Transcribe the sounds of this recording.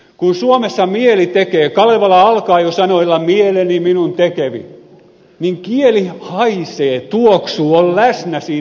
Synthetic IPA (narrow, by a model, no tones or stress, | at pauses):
kunsuomesːɑmielit̪ekeːkɑleʋɑlɑɑlkɑːjosɑnoilːɑmieleniminunt̪ekeʋḭ | niŋkielihɑiseːt̪uoksuːollæsnæsiː